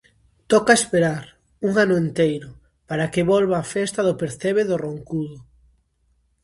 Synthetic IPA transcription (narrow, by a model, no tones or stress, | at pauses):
t̪ɔkaespeɾaɾ | uŋanʊent̪ejɾʊ | paɾakɪβolβaːfest̪aðʊpeɾθeβeðoroŋkuðʊ